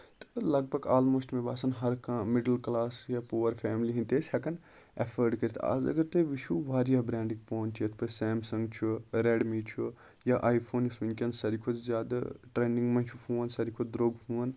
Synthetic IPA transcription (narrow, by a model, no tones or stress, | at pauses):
t̪ɨlɐɡ̚bʱɐɡaːlmoːsʈmẽbaːsɐnɦɐɾkãmɪɖəlklaːsjaːpuːʋɐɾpʰɛːmliɦĩnt̪eːshɐkɐn | ɐfʰəɾɖkɐɾit̪ʰa̰ːzɐ̰ɡɐɾt̪eʋiʃʰuːʋaːɾjaːbɾẽːɳɖiŋɡpoːnt͡ʃʰijɐt̪ʰpɐsɛːmsɐ̃ŋɡt͡ʃʰuɾeːɖmiːt͡ʃʰu | jaːʔaːjpʰoːnjɐsinkʲɐnsɐɾikʰod͡ʒzʲjaːd̪a̰ʈɾeːnĩŋɡmɐ̃nt͡ʃʰupʰũːʋɐnsɐɾikʰod̪ɾoːɡpʰũːɐn